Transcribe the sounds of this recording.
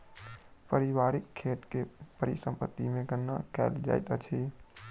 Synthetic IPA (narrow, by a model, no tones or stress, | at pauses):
pəɾɪwaːɾɪkʰːeːʈkepəɾisə̃mpə̰t̪ːimẽɡənːa̰kɛ̰ːɪld͡ʒa̰ːɪt̪ət͡ʃʰe